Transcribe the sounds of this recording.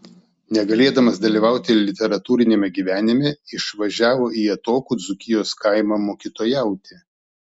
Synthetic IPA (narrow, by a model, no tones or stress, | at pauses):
nʲɛɡɐlʲeːd̪ɐmɐsd̪ɐlʲiːʋɑˑʊt̪ʲɪlʲɪt̪ʲɛɾɐt̪uːɾʲɪnʲeːmʲɛɡʲiːʋʲæːnʲɪmʲɛɪʃʋɐʒʲæːʋoːʔiɛt̪oːkuːd̪zʊkʲɪjoːskɐɪmɑmoːkʲit̪oːjæˑʊt̪ʲe